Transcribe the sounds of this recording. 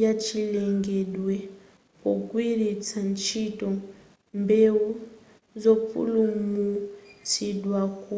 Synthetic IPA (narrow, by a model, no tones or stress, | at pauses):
at͡ʃʰilɛŋɡɛɗwɛ | kɔkʼwiɾit͡sʰant͡ʃʰitʼɔ | mbɛu | zɔpṵlumut͡sʰiɗwaku